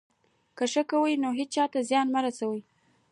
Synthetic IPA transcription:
kəʂəkawəjnoɦed̚t͡ʃɑt̪azjɑnmaɾasawəj

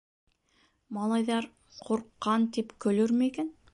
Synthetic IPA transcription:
mɑlˠɑjðɑɾ | qʰuɾqːɑnt̪ipkɵ̆lɵɾmɘikæn

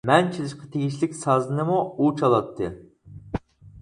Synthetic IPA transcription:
mɛnt͡ʃʰilˠɪʃqɑt̪ʰeɡʲiʃlɪkʲsɑzɨnɨmuut͡ʃʰɑlˠɑt̪ʰːɨ

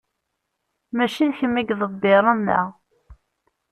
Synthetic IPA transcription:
mæʃiðçəmːiɡðˤəbːeɾˤənːæ̰

